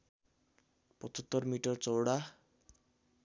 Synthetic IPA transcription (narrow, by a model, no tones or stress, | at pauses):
pʌtʰʌt̪ːʌrmiʈʌrt͡sʌwɽa